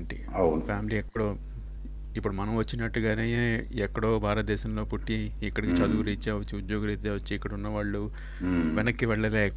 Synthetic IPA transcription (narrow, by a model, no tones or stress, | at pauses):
ɳʈḭ | wpʰjaːmiliɛkːɐɽoː | ipːuɽumɐnɐmʋɐt͡ʃːinɐʈːuɡaːne̞ːeːɛkːɐɽo̞ːbʱaːɾɐt̪̚d̪ɛːʃɐmlo̞ːpuʈːiːkːɐɽɐkit͡ʃɐd̪uɡuɾit͡ʃːeːʋɐt͡ʃːiud̪joːɡɐɾit̪eːʋɐt͡ʃːiːkːɐɽɐunːɐʋaːɭːu | ʋɛnɐkːiʋɛɭːɐleː